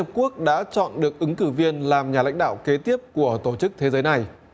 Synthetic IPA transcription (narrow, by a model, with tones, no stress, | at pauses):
ə˨˩p̚ku˦˥ək̚ɗa̰ː˧˥t͡ɕɔ̰˧˨nɗɨ˨˩ək̚ʔɨ˨˦ŋkɨ˧˩vi˧ənlaː˨˩mɲaː˨˩la̰˧˥jŋ̟ɗa̰ː˧˨wke˨˦t̪i˦˥əp̚ku˧˩ət̪o˧˩t͡ɕɨ˦˥k̚t̪ʰe˨˦zəː˨˦jna˨˩j